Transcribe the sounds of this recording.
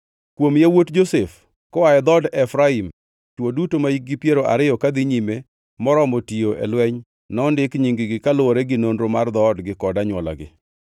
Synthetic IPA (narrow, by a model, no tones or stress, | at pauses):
kwomjawotd͡ʒosef | kɔwajɛd̪ɔdɛfɾaim | t͡ʃwodutomaiɡɪpjeɾoʔa̰ɾɪjɔkad̪ɪɲime | mɔɾɔmɔtioʔḛlwɛɲ | nɔndɪkɲiŋɡɪɡɪkalʊɾeɡɪnondɾomard̪ɔdɡɪkɔdaɲwɔla̰ɡɪ̰